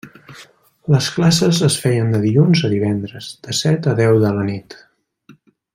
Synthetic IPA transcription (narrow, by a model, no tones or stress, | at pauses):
ləsklasəzəsfɛjənd̪əðiʎunzəðiβɛnd̪ɾəz̥d̪̥əsɛt̪əðɛwðələnit̪